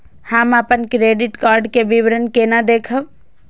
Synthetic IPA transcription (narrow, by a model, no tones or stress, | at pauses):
həməpənkɾeɖiʈkaɾɖkebiʋɾənkenad̪ekʰəb